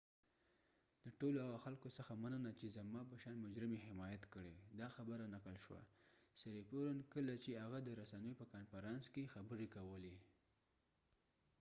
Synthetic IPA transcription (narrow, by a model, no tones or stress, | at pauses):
laʈolohaɣaxalkosəxamanənat͡ʃezamɑpəʃɑnmʊd͡ʒɾɪmeɦɪmɑjat̪kəɽed̪ɑxabəɾanaqəlʃwa̰saɾepoɾankəlat͡ʃehaɣad̪əɾasanəjopəkɑnfaɾɑnskexabəɾekawəle